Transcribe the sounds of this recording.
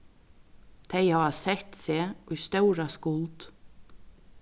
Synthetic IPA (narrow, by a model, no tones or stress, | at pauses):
t̪ʰeɪhɑːsɛt̪seːʏst̪œwɾaskʊlt̪